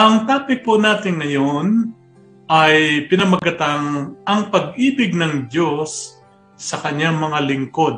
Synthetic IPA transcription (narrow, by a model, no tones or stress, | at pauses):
ʔɐŋt̪aːpɪpʊnaːt̪ɪŋːɐjon | ʔɐjpɪnɐmɐɡɐt̪aŋʔɐŋpɐɡʔiːbɪɡ̚nɐŋdjosː | ɐkɐɲːaŋmɐŋalɪŋko̞d̪̚